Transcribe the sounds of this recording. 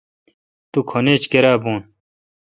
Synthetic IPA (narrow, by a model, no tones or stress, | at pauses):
t̪ukʰoneːt͡ɕkeɾaːbuːn